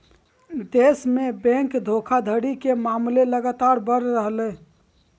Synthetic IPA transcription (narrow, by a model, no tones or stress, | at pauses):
d̪esmebɛ̃ŋkd̪ʱokʰad̪ʱəɽikemamleləɡat̪aɾbəɾːəɦlɛ